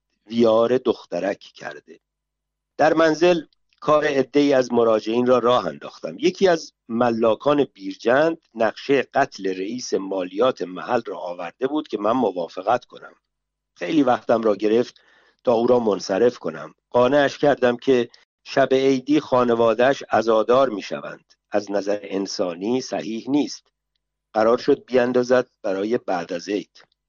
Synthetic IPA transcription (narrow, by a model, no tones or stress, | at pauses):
vijɒːɾe̞d̪o̞xt̪æɾæcʰcʰæ̰ɾd̪e̞ | d̪̥æɾmænze̞l | kʰɒːɾe̞ːd̪ːe̞iːæzmo̞ɾɒːd͡ʒe̞iːnrɒːɾɒːɦæ̰nd̪ɒ̰ːxt̪æ̰mje̞cʰiːæz | mælːɒːkʰɒːne̞biːɾd͡ʒænd̪næɣʃe̞jeɢ̥æt̪ʰle̞ɾeiːse̞mɒːlijɒːt̪ʰe̞mæ̰hælrɒ̰ːʔːvæɾd̪e̞buːd̪̚cʰe̞mænmo̞vɒːfe̞ɣæt̪kʰo̞næ̰m | xe̞jliːvæxt̪æmɾɒːɟe̞ɾe̞ft̪ | t̪ʰɒːuːɾɒːmo̞nsæɾe̞fkʰo̞næ̰m | ɢ̥ɒːneæʃcʰæɾd̪æmcʰe̞ | ʃæbeejd̪iːxɒːne̞vɒːd̪ææʃæzɒːd̪ɒːɾmiːʃæ̰væ̰nd̪̥ | æznæzæɾeensɒːniːsæ̰hiːhniːst̪ | ɢ̥æɾɒːɾʃo̞d̪̚biænd̪ɒːzæd̪̚b̥æɾɒːje̞bæʔd̪æze̞jd̪̥